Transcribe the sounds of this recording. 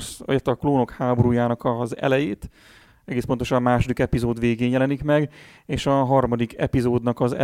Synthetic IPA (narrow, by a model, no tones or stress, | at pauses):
sɛt̪ːɒkloːno̞khaːboɾuːjaːnɒkɒzɛ̰lɛjeːt̪ | ɛɡeːspo̞nt̪o̞ʃɒmmaːʃo̞d̪ikɛpizoːd̪ʋeːɡeːnjɛlɛnikmɛɡeːʃɒɦɒrmɒd̪ikɛ̰pizoːd̪nɒkɒzɛ